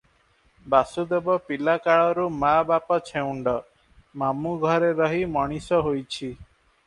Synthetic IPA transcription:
basud̪ebɔpilakaɭɔɾumabapɔt͡ʃʰeuɳɖɔ | mamuɡʱɔɾeɾɔɦimɔɽ̃isɔɦojt͡ʃʰi

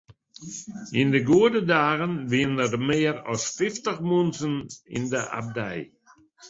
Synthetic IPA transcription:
ɪndəɡuədədaːɣənʋinərmeːɾɔ̰stɪftəχmunsənḭndəʔa̰b̚dɛ̰j

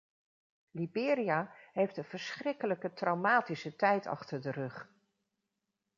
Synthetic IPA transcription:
libɪːɾiaɦejftənv̥əɹsχrɪkələkətrɑwmaːtisətɛjtɑ̰χtəɹdərɵχ

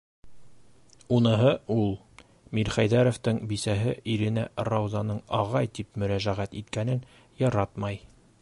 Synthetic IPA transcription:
unɤ̆ɦɤulˠ | miɾχæjðæɾŏft̪ɤɴbisæɦɘʔiɾɘ̆nærɑwzɑnɤɴɑʁɑjt̪ipmɵ̆ɾæʒæʁæt̪it̪kænɘn | jɑɾɑt̪mɑj

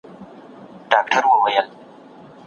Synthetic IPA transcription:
d̥aːk̚tʰəɾwawajal

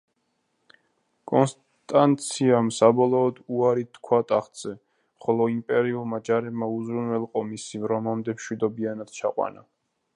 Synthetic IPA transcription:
kʼɔns | t̪ʼant̪sʰiamsabɔlˠɔːd̪uaɾit̪ʰkʰwat̪ʼaχt̪z̥ɛ | χɔlɔimpʼɛɾiulˠmad͡ʒaɾɛbmauzɾunwɛlˠqʼɔmisivɾɔmamd̪ɛmʃwid̪ɔbianad̪̥̚t͡ʃʰaqʼwa̰na̰

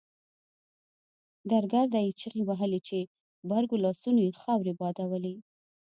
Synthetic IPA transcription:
d̪aɾɡaɾd̪ait͡ʃəɣiwaɦəlit͡ʃe | baɾɡolɑsunojexɑwɾebɑd̪awəli

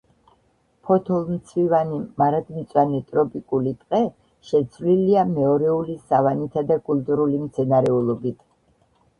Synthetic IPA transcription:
pʰɔt̪ʰɔlˠmt̪sʰvivanimaɾad̪mit̪sʼwanit̪ʼɾɔpʼikʼulit̪ʼqʼɛ | ʃɛt̪sʰvliliamɛɔɾɛulisavanit̪ʰad̪akʼulˠt̪ʼuɾulimt̪sʰɛnaɾɛulˠɔbit̪ʰ

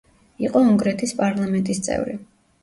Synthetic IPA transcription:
iqʼɔuŋɡɾɛt̪ʰispʼaɾlˠamɛnt̪ʼist̪sʼɛ̰vɾḭ

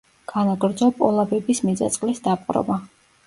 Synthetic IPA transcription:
ɡ̥anaɡɾd̪zɔpʼɔlˠabɛbismid̪za̰t̪sʼqʼlisd̪apʼqʼɾɔ̰ba

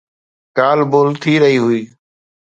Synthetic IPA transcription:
kaːlboːlt̪ʰiːɾəɦiːɦʊiː

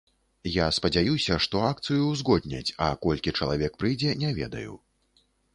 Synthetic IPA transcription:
jaspɐd͡zʲajusʲɐʂt̪ɔak̚t̪sɨjuzɣɔd̪ʲnʲɐ̰t͡sʲɐkɔlʲkʲit͡ʂɐlˠavʲɛkpɾɨjd͡zʲɛnʲɛvʲɛ̰d̪ɐ̰jṵ

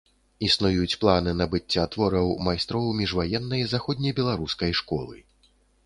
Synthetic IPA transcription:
isnujut͡sʲplˠanɨnɐbɨt͡sʲːat̪vɔɾɐwmajst̪ɾɔwmʲiʐvajɛnːɐjzaxɔd̪ʲnʲɐjbʲɛlˠaɾuskɐjʂkɔ̰lˠɨ̰

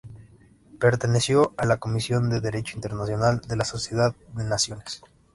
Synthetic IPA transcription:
pe̞ɾt̪e̞ne̞sjo̞alako̞misjo̞nd̪e̞ðe̞ɾe̞t͡ʃoint̪e̞ɾnasjo̞nald̪e̞laso̞sje̞ðaððe̞nasjo̞nes

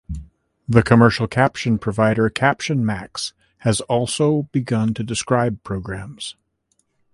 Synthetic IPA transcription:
ðɨkʰɨmɜ˞ʃl̩ˠkʰæpʃɨ̃npʰɹ̥ɨvaɪɾə˞kʰæpʃɨ̃nmæks | hɨzɔlˠsoʊb̥ɨɡʌ̃ntʰɨdɨskɹaɪb̚pʰɹ̥oʊɡɹæ̃mz̥

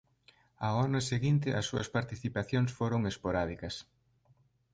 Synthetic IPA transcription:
aɔnɐseɣint̪ɪʔɐsːuɐ̰spaɾt̪iθipaθjoŋsfoɾoŋespoɾaðikɐs

